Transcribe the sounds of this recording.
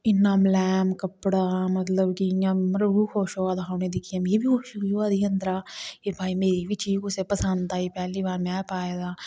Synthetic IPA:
ɪnːaːmlɛːmkəpɽaːmət̪ləbkijãːmɾəɡukʰoːʃoːad̪aɦɐmned̪ɪkʰijaːmjebʱioːʃiioad̪ʱiənd̪ɾaːebʱaːimeːɾiʋɪt͡ʃiːkʊsepəsənd̪t̪aːipɛːliːbaːɾmɛ̃ːpaːedaː

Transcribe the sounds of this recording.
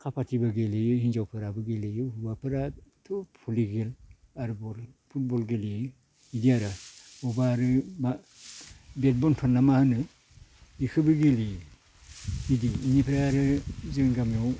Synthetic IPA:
kʰapʰatibaɡelejhind͡ʒawpʰɯɾabɯɡelejɯhubapʰɯɾatʰɔpʰuliɡel | aɾbɔlpʰut̚bɔlɡeliː | diaɾaɔbaɾɯba | bet̚bɔntʰɔnːamahɯnɯ | ikʰɯbɯɡeli | idiːnipʰeɾaɾɯzɯnɡamjɔw

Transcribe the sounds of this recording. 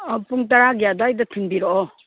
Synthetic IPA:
ɔpuŋtaɾaɡijadaːjdatʰunbiɾɔɔ

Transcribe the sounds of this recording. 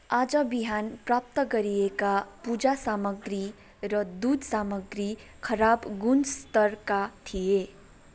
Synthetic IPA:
aːd͡ʒəbiɦanpɾap̚t̪kəɾijekapud͡ʒasaːməɡɾi | ɾʌd̪uːd̪ʱsaːməɡɾi | kʰəɾaːbɡunst̪əɾkat̪ʰije

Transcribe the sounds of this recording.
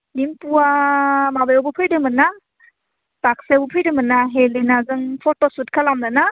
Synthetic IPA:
nimpuamabajowbupʰɯjdɯmɯna | tak̚sebupʰɯjdɯmɯnaɦelinazɯŋpʰɔtosut̚kʰalamnana

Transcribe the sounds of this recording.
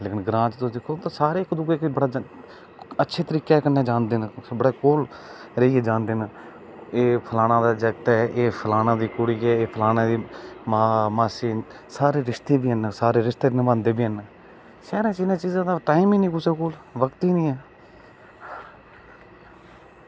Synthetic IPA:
leːkɪnɡɾãːt͡ʃt̪ʊsd̪ɪkʰːoːt̪aːsaːɾeːɪkd̪ʊɡeːkːbəɽaː | ətːʃʰeːt̪əɾiːkeːkənːeːd͡ʒãːnd̪eːnbəɽaːkoːl | ɾəiːɛːd͡ʒãːnd̪eːn | eːpʰəlaːnãːd̪aːd͡ʒəɡt̪ɛːʔeːpʰəlaːnãːd̪iːkʊɽiːkɛːeːpʰəlaːnãːd̪iːmaːmaːseː | saːɾeːɾɪʃt̪eːbiːɦənːsaːɾeːɾɪst̪eːnɪʋãːnd̪eːbiːɦənː | sɛːɾẽːt͡ʃinãːt͡ʃiːzãːd̪aːʈaːimiːnĩːkʊt͡ʃekoːlʋəkt̪iːnĩːɛː

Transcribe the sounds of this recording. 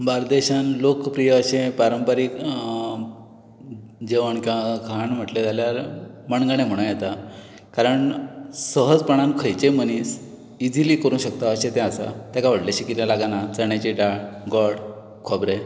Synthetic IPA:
baɾd̪eɕanlokpɾijəːɕẽpaɾəmpəɾik | d͡ʑeʋəɳkãkʰaɳm̤əʈlet̪aljaɾməɳɡəɳ̃em̤əɽ̃ũjet̪a | kaɾəɳsəɦəd͡zpəɳ̃ankʰəjt͡ɕeməniːs | id͡ziliːkəɾũːɕək̚t̪aəɕet̪ɛ̃asa̰t̪jakaʋəɽlaɕikiɾalaɡanat͡səɳjat͡ɕiɖaɽɡɔɽ | kʰobɾe

